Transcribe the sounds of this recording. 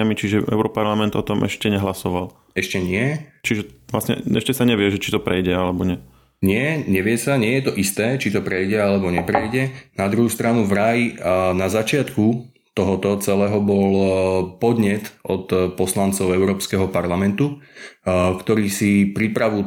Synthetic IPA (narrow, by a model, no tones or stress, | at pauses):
amit͡ʃiʒɛɛ̰ʊɾɔpaɾlamɛnd̪ɔt̪ɔmʔɛ̰ʃcɛɲɛɦlasɔʋal | ɛʃcɛɲɪɛt͡ʃiʒɛʋlasɲɛ̰ɛʃcɛsaɲɛʋɪɛʒɛt͡ʃi̥t̪ɔpɾɛjɟɛalɛbɔɲɛ | ɲɪɛɲɛʋɪɛsaɲɪɛjɛt̪ɔʔist̪ɛːt͡ʃit̪ɔpɾɛjɟɛalɛbɔɲɛpɾɛjɟɛnad̪ɾuɦuːst̪ɾanuvɾajnazat͡ʃɪat̪ku | t̪ɔɦɔt̪ɔt͡sɛlɛːɦɔbɔlpɔd̪ɲɛt̪ɔt̪pɔslant͡sɔʊɛʊɾɔːpskɛɦɔpaɾlamɛnt̪u | kt̪ɔɾiːsipɾipɾaʋu